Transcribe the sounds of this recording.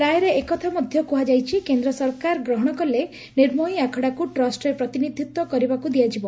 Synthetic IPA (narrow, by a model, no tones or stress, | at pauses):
ɾajɾeekɔt̪ʰamɔd̪ʱjɔkuɦad͡ʒajt͡ʃʰikend̪ɾɔsɔɾkaɾɡɾɔɦɔɽ̃ɔkɔlːe | niɾmɔiakʰɔɽakuʈɾɔsʈɾepɾɔt̪inid̪ʱjut̪wɔkɔɾibakud̪iad͡ʒibɔ